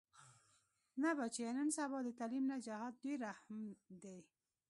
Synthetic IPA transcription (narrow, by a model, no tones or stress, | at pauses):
nabat͡ʃeenənsabɑd̪ət̪alimnad͡ʒahɑd̪̚d̪eɾːahmd̪e